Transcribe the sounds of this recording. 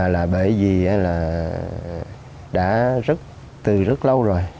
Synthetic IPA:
laː˨˩ɓəː˧˩jvi˨˩ʔaː˨˧laː˨˩ | ɗa̰ː˧˥zə˦˥t̚ | t̪ɨ˨˩zə˦˥t̚lə˧wzo˨˩j

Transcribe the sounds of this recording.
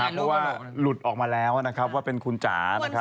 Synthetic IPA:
aː˨˩pʰɔ˦˥waː˥˩lu˨˩t̪̚ʔɔː˨˩k̚maː˧lɛː˦˥wna˦˥kʰɾa˦˥p̚waː˥˩pe˧nkʰu˧nt͡ɕa̰ː˩˦na˦˥kʰa˦˥

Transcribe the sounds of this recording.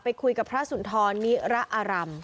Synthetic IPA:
pa˧jkʰu˧jka˨˩pʰɾa˦˥su˩˦nt̪ʰɔː˧nːi˦˥ɾa˦˥ʔaː˧ɾa˧m

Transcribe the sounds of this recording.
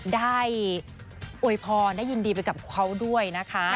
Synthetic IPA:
daː˥˩j | ʔu˧˩əjpʰɔː˧ndaː˥˩jːi˧ndiː˧pa˧jka˨˩p̚kʰa˦˥wdu˥˩əjna˦˥kʰa˦˥

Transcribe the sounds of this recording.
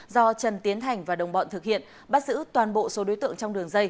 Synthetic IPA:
zɔ˧t͡ɕə˨˩nt̪i˨˦ənt̪ʰa˨˩jŋ̟vaː˨˩ɗə˨˩wŋ͡mɓɔ̰˧˨nt̪ʰɨ˨˩k̚hḭ˧˨ən | ɓaː˦˥t̚zɨ̰˧˥t̪waː˨˩nɓo̰˧˨so˨˦ɗo˨˦jt̪ɨ̰˧˨əŋt͡ɕɔ˧wŋ͡mɗɨ˨˩əŋzə˧j

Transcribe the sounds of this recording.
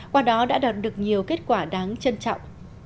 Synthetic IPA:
kwaː˧˩ɗɔ˨˦ɗa̰ː˧˥ɗaː˨˩t̚ɗɨ˨˩ək̚ɲi˨˩əwke˦˥t̚kwaː˧˩ɗaː˨˦ŋt͡ɕə˧nt͡ɕɔ̰˧˨wŋ͡m

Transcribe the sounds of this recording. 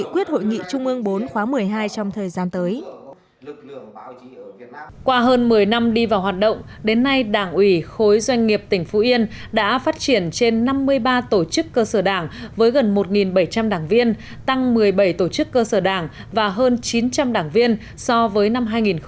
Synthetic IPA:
ḭ˧˨kwi˦˥ət̚ho̰˧˨jŋḭ˧˨t͡ɕʊ˧ŋ͡mʔɨ˧əŋɓo˨˦nxwaː˨˦mɨ˨˩əjɦaː˧jt͡ɕɔ˧wŋ͡mt̪ʰəː˨˩jzaː˧nt̪əː˨˦j | kwaː˧ɦəː˧nmɨ˨˩əjna˧mɗi˧vaː˨˩whɦaː˨˩t̚ɗə̰˧˨wŋ͡mɗe˨˦nːa˧jɗaː˧˩ŋʔwi˧˩xo˨˦jzwa˧jŋ̟ŋi˨˩əp̚t̪ï˧˩ŋ̟fu˨˦ʔi˧ənɗa̰ː˧˥faː˦˥t̚t͡ɕi˧˩ənt͡ɕe˧nːa˧mːɨ˧əjɓaː˧t̪o˧˩t͡ɕɨ˦˥kːəː˧səː˧˩ɗaː˧˩ŋvəː˨˦jɣə˨˩nmo˨˩t̚ŋi˨˩nɓə˧˩jt͡ɕa˧mɗaː˧˩ŋvi˧ən | t̪a˧ŋmɨ˨˩əjɓə˧˩jt̪o˧˩t͡ɕɨ˦˥kːəː˧səː˧˩ɗaː˧˩ŋ | vaː˨˩ɦəː˧nt͡ɕi˨˦nt͡ɕa˧mɗaː˧˩ŋvi˧ən | sɔ˧vəː˨˦jna˧mɦaː˧jŋi˨˩n

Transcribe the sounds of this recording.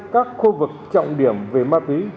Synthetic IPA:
kaː˦˥k̚xu˧vɨ˨˩k̚t͡ɕɔ̰˧˨wŋ͡mɗi˧˩əmve˨˩maː˧t̪wi˨˦

